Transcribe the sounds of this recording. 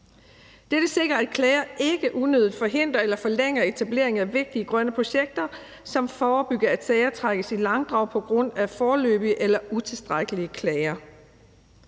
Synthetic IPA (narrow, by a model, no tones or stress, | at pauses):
d̥ed̥əse̝ɡ̥ʁɐæd̥̚kʰlɛɪɐʔe̝ɡ̥əʔunøðˠid̥fɒ̽ɦe̝n̰d̥ʁɐelɐfɒ̽leŋ̰ɐe̝t͡sʰæb̥le̝ɐe̝ŋæʋe̝ɡ̥̚d̥iəɡ̥ʁɶnəpʰʁo̝ɕeɡ̥̚d̥ɐ | sɒ̽mfɒːb̥yɡ̥ɐæd̥sɛːɪɐt͡sʰʁaɡ̥əsilɑ̈ŋd̥ʁɑ̈ʊ̰pʰɒ̽ɡ̥ʁɔ̽n̰æfɒːlø̰ːb̥iəʔelɐʔut͡sʰe̝lsd̥ʁaɡ̥əliəkʰlɛɪɐ